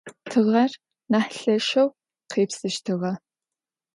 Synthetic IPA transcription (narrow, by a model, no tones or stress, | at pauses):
tʰɨʁɐr | naːħɬɐʃɐw | qeːpsɨʃtʰɨʁɐ